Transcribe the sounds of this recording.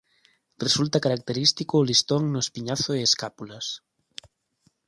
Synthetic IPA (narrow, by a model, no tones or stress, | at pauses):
result̪akaɾak̚t̪eɾist̪ikʊːlist̪oŋnʊespiɲaθʊeeskapulas